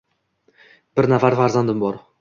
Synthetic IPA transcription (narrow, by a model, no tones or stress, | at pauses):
b̥ɪɾnafaɾfaɾzand̪ɪmbɒɾ